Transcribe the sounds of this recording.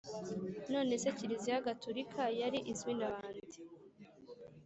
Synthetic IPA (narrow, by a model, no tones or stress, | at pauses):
no̞ːne̞se̞ciɾizijaɡatoɾikʰajaɾiʔizwinaβaːndi